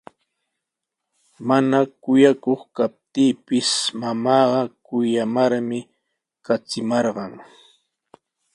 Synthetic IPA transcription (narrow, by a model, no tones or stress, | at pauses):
manakʊjakoχkap̚t̪iːpɪsmamɑːɢɑkʊjamaɾmɪ | kat͡sɪmɑɾɢɑŋ